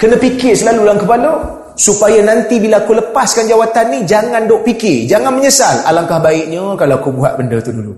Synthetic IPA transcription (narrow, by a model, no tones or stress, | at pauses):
kənə̃pikɪsəlalulankəpalə | supajanant̪ibilakoləpaskand͡ʒawat̪anːid͡ʒaŋandoʔpikɪrd͡ʒaŋanməɲəsala̰laŋkahbaɪʔɲəkalaakubuɦa̰ʔ̪̚bəndət̪uhdulu